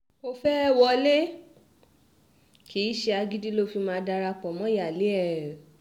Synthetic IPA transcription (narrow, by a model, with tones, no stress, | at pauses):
o˧fɛ˦wɔ˧le˦ | kʰi˨˦ʃe˧a˧ɡi˦di˦lo˦fi˧mãː˧˦da˧ɾa˧k͡pɔ˨mɔ̃˦ja˨le˨˦ɛ˨ɛ˨